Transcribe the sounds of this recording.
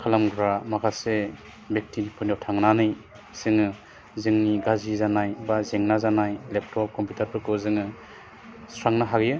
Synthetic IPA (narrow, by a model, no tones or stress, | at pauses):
kʰalamɡɾamakʰase | bek̚tʰinipʰɯnɔtʰaŋnanɯj | z̥ɯŋɯ | zɯŋniɡazizanajbazeŋnazanajlep̚tʰɾɔp̚kʰɔmputʰaɾpʰɯkɯzɯŋɯ | sɾaŋnaɦaɡijɯ